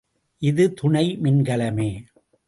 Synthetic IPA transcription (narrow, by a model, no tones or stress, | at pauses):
ʔɪðɯt̪ʊɳɐɪmɪnɡɐɭɐmeː